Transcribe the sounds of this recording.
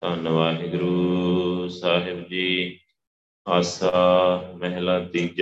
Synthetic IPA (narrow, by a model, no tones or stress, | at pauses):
t̪ãːnɐʋaːɦɪɡʊɾuː | saːɦɪbd͡ʒiː | aːsaːmɛɦlaːd̪iːd͡ʒ